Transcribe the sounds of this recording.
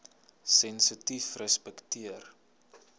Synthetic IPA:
sɛnsitifrəspɛktiər

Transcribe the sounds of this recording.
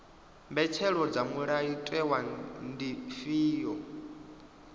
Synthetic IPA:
mbɛt͡ʃʰɛɺɔd͡zamuɺaitʼɛwandifiːjɔ

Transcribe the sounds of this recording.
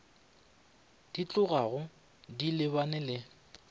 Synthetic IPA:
d̥it͡ɬʼʊɣaɣʊ | dilɪβanɪlɪ

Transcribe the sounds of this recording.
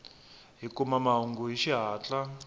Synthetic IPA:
ɦikumamaɦuŋɡuɦiʃiɦaːt͡ɬʼa

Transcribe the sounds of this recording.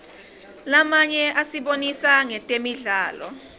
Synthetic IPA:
lamaɲɛʔasiɓonisaŋɛtʼemiɮaːlɔ̰

